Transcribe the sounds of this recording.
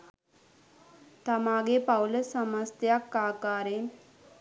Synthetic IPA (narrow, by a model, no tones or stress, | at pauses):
t̪amaɡepawləsəməst̪jakːakaɾe